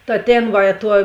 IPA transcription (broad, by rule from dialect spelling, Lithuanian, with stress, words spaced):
tɐ ˈtʲeːn ˈʋɐ ɪ tuɔ